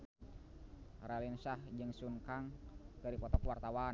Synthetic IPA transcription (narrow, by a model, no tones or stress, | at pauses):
ralinsahd͡ʒɨŋsuŋkaŋkəɾipɔt̪ɔkwart̪awa